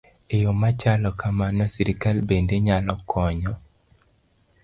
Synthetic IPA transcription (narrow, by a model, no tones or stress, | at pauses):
ejomat͡ʃalɔkamanɔsiɾikalbendeɲalɔkʰɔɲɔ